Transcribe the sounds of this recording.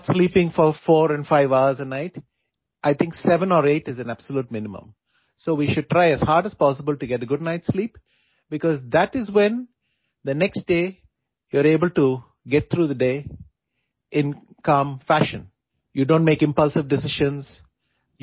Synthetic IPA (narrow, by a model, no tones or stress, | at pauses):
ʈsliːpɪ̃ŋfɔɾfɔːɾɛ̃nfaɪʋaʊəɾzənaɪʈ | ʔaɪt̪ʰɪ̃ŋksɛʋə̃nɔɾeːʈɪzæ̃næb̥səluːʈ̚mɪ̃nɪmə̰̃m | soːʋiʃʊɖ̚ʈɾaɪæz̥haːɾɖəz̥pɔːs̬ɪbəlʈuɡɛʈəɡʊɖ̚naɪʈsliːp | bɪkɔzd̪æʈɪzwɛ̃n | d̪ənɛksʈɖeː | juəɾeːbəlʈu | ɡɛʈ̚t̪ʰɾuːd̪əɖeː | ʔɪ̃n | kãmfæʃə̰̃n | juɖõːnʈmeːkɪ̃mpʌlsɪʋɖɪsɪʃə̃nz | j